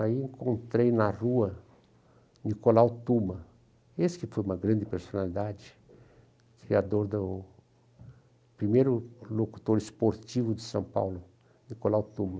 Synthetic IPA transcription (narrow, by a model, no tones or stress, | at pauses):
aiẽŋkõnt̪ɾejnɐruɐ | nikolawt̪ũmɐ | esɪ̥kɪfojũmɐɡɾɐ̃nd͡ʒɪpeɾsonalid̪ad͡ʒɪ | kɾiad̪oɾd̪ʊ | pɾimejɾʊloku̥t̪oɾɪspoɾt͡ʃivʊd̪ɪsɐ̃w̃pa̰wlʊ | nikolawt̪ũmɐ